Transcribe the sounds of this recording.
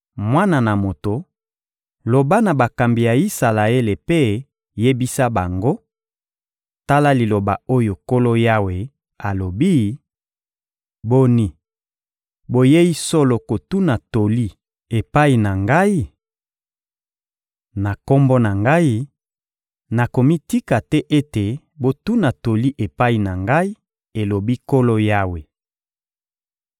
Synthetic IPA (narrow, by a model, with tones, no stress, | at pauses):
mwa˦na˨na˨mo˨to˨ | lo˨ba˦na˨ba˨ka˨mbi˨ja˨i˦sa˨la˨e˦le˨pe˦ | je˦bi˦sa˦ba˨ŋɡo˦ | ta˦la˦li˨lo˨ba˨o˦jo˨ko˦lo˦ja˦we˨ | a˨lo˨bi˦ | bo˦ni˦ | bo˦je˦i˦so˦lo˨ko˨tu˦na˨to˨li˦ | e˨pa˦i˨na˨ŋɡa˦i˦ | na˨ko˦mbo˦na˨ŋɡa˦i˦ | na˨ko˨mi˦ti˦ka˨tɛ˦ʔe˦te˨ | bo˦tu˦na˨to˨li˦ʔe˨pa˦i˨na˨ŋɡa˦i˦ | e˨lo˨bi˦ko˦lo˦ja˦we˨